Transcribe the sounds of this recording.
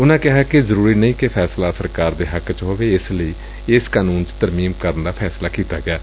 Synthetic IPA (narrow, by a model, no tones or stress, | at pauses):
ʊnãːkɪɦaːkezəɾuːɾiːnəĩːkepʰɛːslaːsəɾkaːɾd̪eːɦəkt͡ʃɦoːʋeːɪsləiː | ɪskaːnuːnt͡ʃt̪əɾmiːmkəɾənd̪aːpʰɛːslaːkiːt̪aːɡɪaː